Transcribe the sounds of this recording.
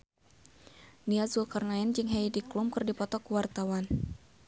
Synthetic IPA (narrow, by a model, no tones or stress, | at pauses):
niazulkarnaɛnd͡ʒɨŋɦaidiklumkɨrdipɔt̪ɔkuwart̪awan